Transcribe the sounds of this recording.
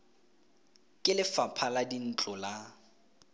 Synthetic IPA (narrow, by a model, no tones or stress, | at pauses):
kʼɪlɪfapʰaladin̩t͡ɬʼɔla